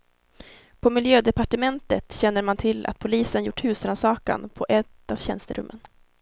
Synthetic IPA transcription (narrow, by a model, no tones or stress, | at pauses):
pʰɔmɪljøːd̪ɛpaʈəmɛnt̪ət̪ɕɛnːəɾmant̪ʰɪlːa̰t̪̚pʰʊliːsənjʊʈːhʉ̟ːsɾansɑːka̰npʰɔʔɛt̪ːavɕɛ̰nst̪əɾɵ̰mːən